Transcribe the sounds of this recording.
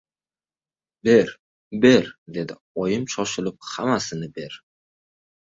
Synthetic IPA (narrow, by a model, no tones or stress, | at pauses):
be̞ɾ | be̞ɾd̪e̞d̪ɪ | ɒjɪmʃɒʃɪlɪp̚hamasɪnɪbe̞ɾ